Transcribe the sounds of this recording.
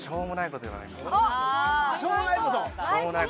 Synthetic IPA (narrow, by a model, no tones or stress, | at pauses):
ɕoːmonaikot̪oiβa̰na̰i | ɕoːmonaikot̪ooːmonai